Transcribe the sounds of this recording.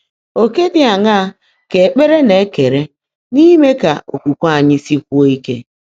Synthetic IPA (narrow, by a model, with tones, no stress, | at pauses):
o˨ke˦dɪ˨a˨ŋa˦ | ke˨k͡pe˦ɾe˦ne˨˦ke˨ɾe˦ | ni˦me˦ka̰˨o̰˨kʷu˨kʷa˨ɲɪ˦si˦kʷu˦o˦i˦ke˦